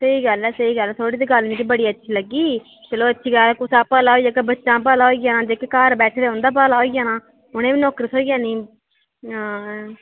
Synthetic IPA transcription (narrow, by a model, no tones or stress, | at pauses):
səiːɡəlɛːsəiːɡəlɛːt̪ʰoːɽiːd̪iːɡəlmĩːkiːbəɽiːətːʃʰiːləɡːiː | t͡ʃəloːətːʃʰiːɡəlkʊsaːpəːlaːoːijaːkəbətːʃãːp̬əːlaːoiɡãːnãːd͡ʒeːkekaːɾbɛːʈʰɾeːɦʊ̃nd̪aːp̬aːlaːoijaːnãː | ʊñẽːʋiːnɔːkɾisoːiɡãːnĩː